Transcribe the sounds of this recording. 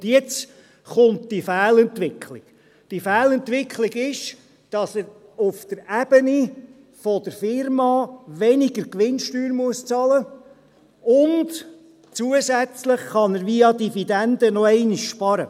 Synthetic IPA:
jɛt͡s | χʊntd̥ifæːlɛntʋɪkʰlɪk | d̥ifæːlɛnt̪ʋɪkχliɡɪʃ | d̥ɑsəɾʊfd̥̪əɾæb̥əni | fɔdəɾfɪɾmɑːʋɛnɪɡəɾkʋɪnʃtyːɾmuəst͡sɑlə | ʊnd | t͡suəsæt͡sləχχɑnəɾʋiɑdifidænd̥̪ənɔɛɪniʃʃpɑɾə

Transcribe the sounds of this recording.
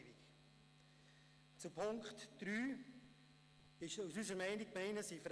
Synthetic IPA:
bik | t͡supʰʊŋkχtd̥ɾyː | ɪʃusyzəɾmɛɪnikmɛɪnəsifɾ

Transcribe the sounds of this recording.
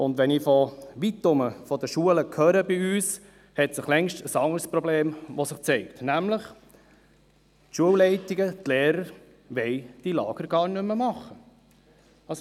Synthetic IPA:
ʊnd̪ʋɛniːfɔʋit̪ːʊməfɔd̪əʃuələkʰœɾəbiyːs | hɛt̪sɪχlɛŋʃtəsɑŋəɾspɾɔbleːmʋɔsɪχt͡sɛɪkt̪næmləχ | tʃuəwlɛɪtiɡət̪leːɾəɾ | ʋɛɪd̥ilɑːɡ̥əɾɡ̥ɑːɾnʏməmɑχːə | ɑs

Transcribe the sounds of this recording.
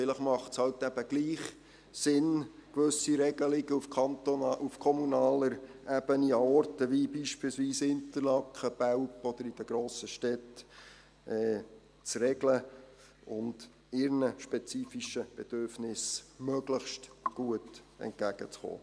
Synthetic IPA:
fɪləχmɑχtshɑlt̪æb̥əɡliːχ | sɪnkʋɵsiɾɛɡ̥əlɪɡəufɑntoʔufkʰɔmunɑːləɾʔæb̥əniɑɔɾtəʋibiːʃpilsʋiːsɪnt̪əɾlɑkχəb̥æwpɔd̪əɾid̥əɡ̥ɾoːsəʃtɛt | ɛː | t͡srɛɡlə | ʊnd | ɪɾnəʃpɛt͡siːfiʃəb̥ɛd̥̪øɾfnɪsmøɡləχʃtɡ̥uətɛ̰nt̚ɡ̥æɡ̥ət͡sχo̰ː

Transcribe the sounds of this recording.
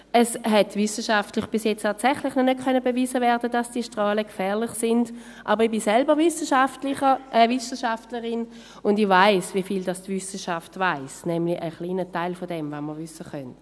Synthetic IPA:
ɛshɛtvʏsəʃaftlɪχb̥ɪsjɛt͡stʰaːtsɛχlɪχnɔnøt̚kʰœnəbeviːzəvɛːɐdəd̥ɑsd̥iːəʃtʁɑːləkfɛːɐlɪχsɪnd | ʔɑːbəʁib̥isɛlbəvʏsəʃaftlɪəəvʏsəʃaftləʁɪn | ʊndivaɪsvifiːldɑstvʏsəʃaftvaɪsnɛmliʔəχliːnətaɪlfodɛmvaməʁvʏsəχœnt

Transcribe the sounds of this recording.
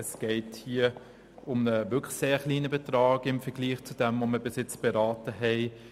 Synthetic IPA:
ɛsɡ̥ɛɪthiə | ʊmnəvʏkʰlseːχliːnəbɛtʁɑːɡɪmfɛɡ̥liːχt͡sud̥ɛmvoməbɪsɪt͡sb̥ɛʁaːtəɦɛɪ

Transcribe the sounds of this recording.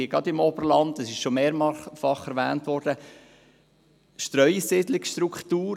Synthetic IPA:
iɡɾɑdɪmɔbərlɑntəsɪʃʃomeːɾmɑfɑχɛɾʋæ̰ːntʋɔɾd̥ə | ʃtɾœʏsɪd̪lɪksʃtɾukχtuːɾ

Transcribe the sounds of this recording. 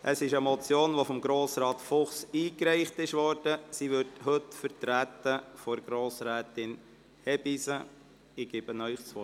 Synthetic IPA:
ʔəsɪʃəmɔt͡sjoːnʋofɔmɡɾoːsɾɑːtfʊχsiːkɾɛɪχtɪʃʋɔɾd̥əsiʋʏɾdhɵtfəɾtɾæt̪əfɔɾɡɾoːsɾæːtɪn | hɛbisə | ɪɡ̥ɪb̥ənœʏχt͡sʋɔ

